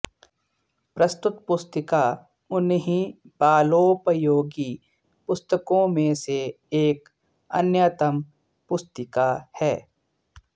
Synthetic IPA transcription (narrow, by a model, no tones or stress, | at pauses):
pɾɐst̪ʊt̪pʊst̪ɪka | ʊnɦĩ | baːloːpɾəjoːɡi | pʊst̪əkõmẽse | eːk | ɐ̰njaːt̪əm | pʊst̪ɪkahɛː